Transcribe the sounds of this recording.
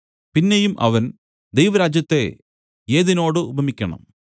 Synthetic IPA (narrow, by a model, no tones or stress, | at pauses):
pinːe̞jumʔɐ̰ʋɐn | d̪ejʋɐɾaːd͡ʑjɐt̪ːe̞ | eːðino̞ːɽɨubʱɐmikʲːɐɳɐ̰m